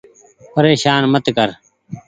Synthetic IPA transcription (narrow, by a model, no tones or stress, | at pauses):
pəɾeːʃaːnmət̪kəɾ